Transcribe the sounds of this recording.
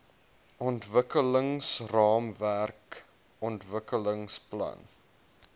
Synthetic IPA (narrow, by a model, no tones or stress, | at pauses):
ʔɔntvəkələŋsrɑːmværk | ɔntvəkələŋsplɐ̰n